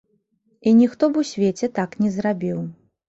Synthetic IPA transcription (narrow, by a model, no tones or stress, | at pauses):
inʲixt̪ɔbusʲvʲet͡sʲɛt̪aknʲɛzrabʲiw